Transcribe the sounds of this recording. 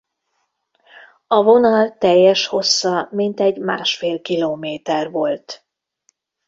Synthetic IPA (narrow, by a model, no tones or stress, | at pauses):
ɒvo̞nɒlt̪ɛjːɛʃho̞sːɒmint̪ɛɟmaːʃfeːlkiloːmeːt̪ɛrvo̞lt̪